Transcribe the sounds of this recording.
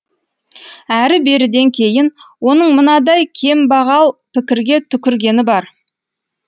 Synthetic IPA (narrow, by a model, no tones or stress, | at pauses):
æɾɪbe̞ɾɪd̪e̞ŋkʲʰe̞jɪnwo̞nəɴmənɑd̪ɑjkʲʰe̞mbɑʁɑlˠpʰɪkʲɪɾɡʲe̞t̪ʰʏkʲɪɾɡʲe̞nɪbɑɾ